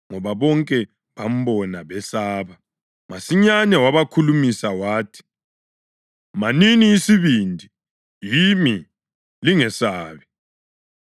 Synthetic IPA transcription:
ŋɔβaβɔŋkʼɛ | βam̩bɔnaβɛsaːβa | masiɲanɛwaβakʰulumisawaːtʰi̥ | maniniːsiβindʱi | jimi | liŋɛsaːβɛ

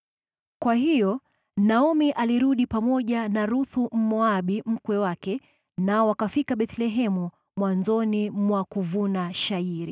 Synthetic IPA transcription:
kwaɦijɔ | naɔmiʔaliɾuɗipamɔʄanaɾuθum̩mɔaɓim̩kwɛwakɛ | naɔwakafikaɓɛt̪lɛɦɛmu | mwanzɔnimwakuvunaʃaiɾi

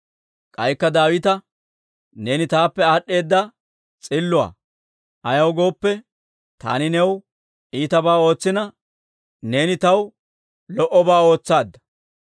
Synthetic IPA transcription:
kʼɐjkːɐd̪aːwɪt̪ɐ | ne̞ːnɪt̪aːpːɛaːɗːe̞ːd̪ːɐ | t͡sʼɪlːʊa̰ː | ʔɐjɐwɡo̞ːpːɛ | t̪a̰ːnɪnɛw | ʔiːt̪ɐbaːo̞ːt͡sːɪnɐ | ne̞ːnɪt̪ɐw | lɔʔɔbaːo̞ːt͡sːaːd̪ːɐ

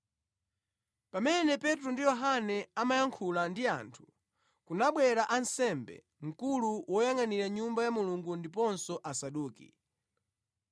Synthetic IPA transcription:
pamɛnɛpɛtɾundijɔɦanɛamajaŋkʰulandia̰ntʰu̥ | kunaɓwɛɾaʔansɛmbɛ̰ | ŋ̩kuluwɔjaŋaniɾaɲumbajamuluŋɡundipɔnsɔʔasaɗuːkḭ

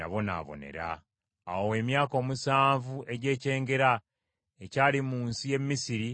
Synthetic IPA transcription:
a̰βo̞na̰βo̞̰ne̞̰ɾa̰ː | wowe̞ːmjaːko̞ːmusaːɱvuʔe̞ɟe̞ːce̞ːŋɡe̞ɾa | ecaːlimuːnsije̞mːisiɾi

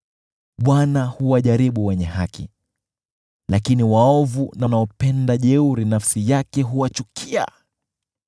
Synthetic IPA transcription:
ɓwanahuwaʄaɾiɓuwɛɲɛhakḭ | lakiniwaɔvunanaɔpɛndaʄɛuɾinafsijakɛɦuwat͡ʃukʰia̰

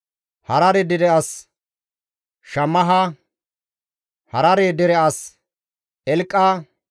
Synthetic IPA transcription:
hɐɾɐɾɛd̪ɪdɛɐs | ʃɐmːɐɦa | hɐɾɐɾeːd̪ɪɾɛʔɐs | ʔɛlkʼːaː

